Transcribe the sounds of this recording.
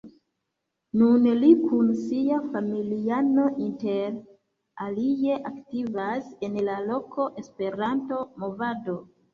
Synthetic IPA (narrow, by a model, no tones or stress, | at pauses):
nunlikʰunsiafamiliano̞ʔinte̞ɾ | alie̞ʔaktivase̞nlalo̞ko̞ʔe̞spe̞ɾanto̞mo̞vado̞